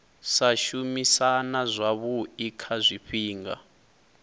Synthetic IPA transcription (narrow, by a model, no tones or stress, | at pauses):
saʃumisanazʷaβuikʰazʷiɸiːŋɡa̰